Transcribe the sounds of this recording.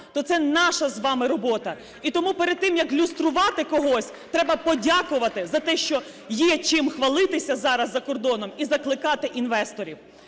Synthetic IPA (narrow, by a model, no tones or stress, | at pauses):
t̪ɔt̪sɛnɑʃɐzʋɑmɪɾɔbɔt̪ɐ | it̪ɔmupeɾed̪̚t̪ɪmjɐklʲust̪ɾʊʋɑt̪ɪkɔɦɔsʲ | t̪ɾɛbɐpɔdʲɑkʊʋɐt̪ɪzɐt̪ɛʃt͡ʃɔ | jɛt͡ʃɪmxʋɐlˠɪt̪ɪsʲɐzɑɾɐzːɐkɔrd̪ɔnɔmizɐklˠɪkɑt̪ɪʔinʋɛst̪ɔɾʲiw